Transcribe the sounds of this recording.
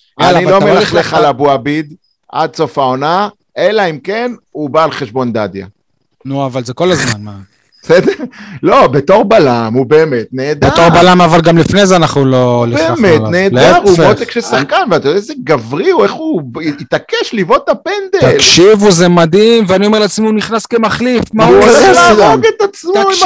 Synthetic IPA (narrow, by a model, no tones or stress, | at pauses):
anilo̞melaχleχalabuabid̪ | ʔa̰d̪̚t͡so̞fao̞na | e̞laimkenubaːlχeʃbo̞nd̪adja̰ | nuavalzeko̞lazmanma | besed̪eʁlo̞bet̪o̞ʁbalamube̞ːmet̪neːd̪beat̪o̞ʁbalamavalɡamlifnezeanaχnulo̞libeːmetneːldeeʁufeot̪ekʃelsaχkanveat̪ajod̪ezeɡavʁiueχuit̪akeʃlivot̪apend̪et̪alkʃivuzemad̪imveanioeleat͡smiuniχnaskemaχlifmaulaoɡet̪at͡smaoim